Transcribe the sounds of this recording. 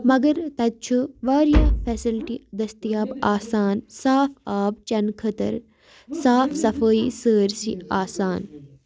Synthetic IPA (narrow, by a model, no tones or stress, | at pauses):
mɐɡɐɾt̪ɐd̪̚t͡ʃʰuʋaːɾjaːpʰɛːsɪlʈid̪ɐst̪ijaːbaːsaːnsaːfʰaːb̚t͡ʃɐnkʰɐt̪ɐ̰ɾ | saːfʰsɐfəisəːɾsḭaːsaːn